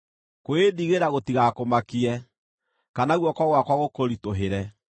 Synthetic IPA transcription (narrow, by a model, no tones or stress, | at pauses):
koeðiɣeɾaɣotiɣakomakiɛ | kanaɣwɔkwaɣwakwaɣokoɾitoɦeɾɛ